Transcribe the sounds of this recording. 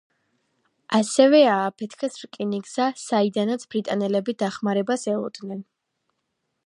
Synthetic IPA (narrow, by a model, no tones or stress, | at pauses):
asɛvɛaːpʰɛt̪ʰkʰɛsɾkʼiniɡz̥asaid̪anat̪sʰbɾit̪ʼanɛlɛbid̪aχmaɾɛbasɛlˠɔd̪nɛn